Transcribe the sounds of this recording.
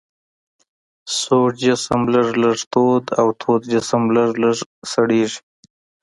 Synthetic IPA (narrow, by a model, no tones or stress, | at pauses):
soʈd͡ʒasəmləʐləʐt̪od̪awt̪ʰod̪d͡ʒasəmləʐləʐsaɽeːʐi